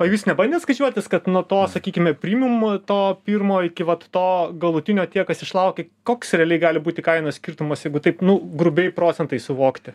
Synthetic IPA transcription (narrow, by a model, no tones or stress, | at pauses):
ɐjuːsnʲɛbɐnʲd̪ʲeːt̪skɐt͡ʃʲuɔt̪ʲɪskɐt̪nuɔt̪oːsɐkʲiːkʲɪmʲɛpʲɾʲiːmʲɪmt̪oːpʲirmoːɪkʲɪʋɐt̪ːoːɡɐlˠʊt̪ʲɪnʲoːt̪ʲiɛkɐsɪʃlˠɐʊkʲekoːksɾʲɛɐlʲɛɪɡɑːlʲɪbuːt̪ʲɪkɐɪnoːsʲkʲirt̪ʊmɐsjɛɪɡʊt̪ɐɪpnʊɡɾʊbʲɛɪpɾoːt͡ssʲɛnt̪ɐɪsʊʋoːkt̪ʲɪ